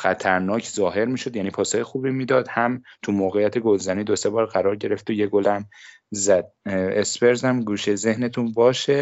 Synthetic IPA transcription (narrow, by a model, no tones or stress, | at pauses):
xæt̪ʰæɾnɒːcʰzɒːɦe̞ɾmiːʃo̞d̪jæniːpʰɒːsɒːjexuːbiːmiːd̪ɒːd̪hæmt̪ʰumoːɣejæt̪ʰeɡo̞lzæniːd̪ose̞bɒːɾɣæɾɒːɾɟe̞ɾe̞ft̪ojeɡolæm | zæd̪̥̚esbe̞ɾzæmɡuːʃeze̞hnet̪ʰunbɒːʃe